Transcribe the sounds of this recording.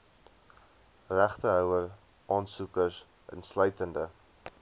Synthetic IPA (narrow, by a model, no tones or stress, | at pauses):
ræχtəɦœwər | ʔɑːnsukərs | ə̰nslœɥtəndə